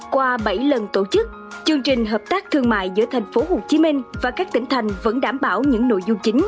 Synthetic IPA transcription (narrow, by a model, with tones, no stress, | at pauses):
kwaː˧ɓə˧˩jlə˨˩nt̪o˧˩t͡ɕɨ˦˥k̚ | t͡ɕɨ˧əŋt͡ɕï˨˩ŋ̟ɦəː˨˩p̚t̪aː˦˥k̚t̪ʰɨ˧əŋma̰ː˧˨jzɨ̰˧˥ət̪ʰa˨˩jŋ̟fo˨˦ho˨˩t͡ɕi˨˦mï˧ŋ̟vaː˨˩kaː˦˥k̚t̪ï˧˩ŋ̟t̪ʰa˨˩jŋ̟və̰˧˥nɗaː˧˩mɓaː˧˩wɲɨ̰˧˥ŋno̰˧˨jzu˧ŋ͡mt͡ɕï˨˦ŋ̟